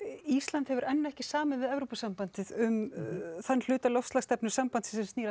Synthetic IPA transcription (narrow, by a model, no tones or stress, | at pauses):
ist̪lant̪hɛvʏɾʔɛnːɛhcɪsaːmɪnvɪðɛvɾopasampant̪ɪðʏmθanːl̥ʏːt̪alɔwfst̪laɣst̪ɛpnʏ̥sampant̪sɪsɛsiːɾa